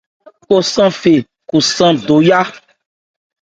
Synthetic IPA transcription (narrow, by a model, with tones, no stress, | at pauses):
ko˦sã˦fe˨ | ku˨sã˦do˨ja˦